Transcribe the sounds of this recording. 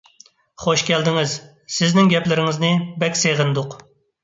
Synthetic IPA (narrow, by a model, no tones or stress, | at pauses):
χoʃkʲɛld̪ɪŋɪz | sɪznɪŋɡʲɛplɪɾɪŋɪznɨbɛkʲseʁɨnd̪ʊq